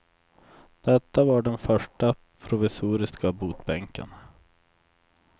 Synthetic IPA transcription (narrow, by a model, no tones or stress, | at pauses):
d̪̥ɛt̪ːavaɖɛnfœʂʈa | pʰɾʊvɪsuːɾɪskabuːt̪bɛŋkə̰n